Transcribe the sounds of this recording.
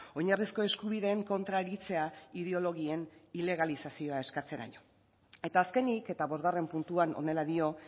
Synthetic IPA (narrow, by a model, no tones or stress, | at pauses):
o̞ɲarisko̞e̞skuβiðe̞ːŋko̞nt̪ɾaeɾit͡se̞aiðeo̞lo̞ɣ̞ie̞nile̞ɣ̞alisasio̞ae̞skat͡se̞ɾa̰ɲo̞ | e̞t̪aːske̞nike̞t̪aβo̞zɣare̞mpunt̪uano̰ne̞laðio̞